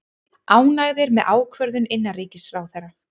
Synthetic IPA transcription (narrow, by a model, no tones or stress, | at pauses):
aːwnaɣðɪɾmɛðʔaːwkʰvœɾðʏnɪnːariːcɪsfɾaːwθɛjrːa